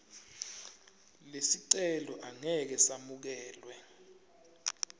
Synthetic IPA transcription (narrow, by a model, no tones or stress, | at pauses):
lesiǀɛlɔʔaŋɛk̬ɛsamuk̬ɛːlwɛ